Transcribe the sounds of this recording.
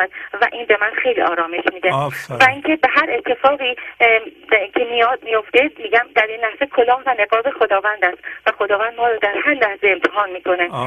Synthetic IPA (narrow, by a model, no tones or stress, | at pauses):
æd̪væ̰ʔiːnbe̞mænxe̞jliɒːɾɒːmeʃmiːd̪evæiŋkʲʰebe̞ɦæɾe̞t̪ʰːe̞fɒːɣiː | cʲʰemijɒːzmijo̞ft̪e̞miːɟæmd̪æɾinlæhz̥ekʰolɒːhvæne̞ɡɒːbexod̪ɒːvænd̪æst̪væxo̞d̪ɒːvænd̪̚mɒːɾɒːd̪æɾɦæɾlæhz̥eemt̪ʰeɦɒːnmiːkʰo̞ne